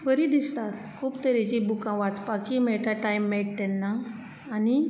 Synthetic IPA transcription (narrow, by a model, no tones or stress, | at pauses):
bəɾid̪ist̪at̪ | kʰuːpt̪əɾet͡ɕibukãʋat͡spakimeɭʈaʈajmːɛɭʈ̚t̪ɛnːaː | ni